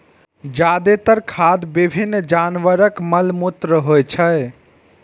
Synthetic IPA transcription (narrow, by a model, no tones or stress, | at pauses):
d͡ʒad̪et̪əɾkʰad̪bibʱinːd͡ʒanʋəɾəkməlmut̪ɾəɦojt͡ʃʰə